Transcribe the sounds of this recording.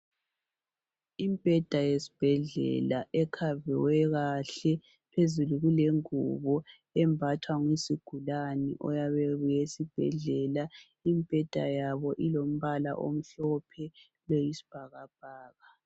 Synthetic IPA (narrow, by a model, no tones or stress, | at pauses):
impʼɛd̥ʱajesi̥b̥ʱɛɮɛ̰laʔɛkʰavɛ̰wɛɣaɬɛ | pʰezuluɣuleŋuβɔ | ɛmbʱatʰwaŋwisiɡ̥ʱulanḭʔɔ̰jaβɛɣujesib̥ʱɛ̰ɮɛla | impʼɛd̥ʱa̰jaβɔʔilom̩βala̰ʔo̰m̩ɬɔpʰɛ | lojisi̥b̥ʱaɣab̥ʱaːɣa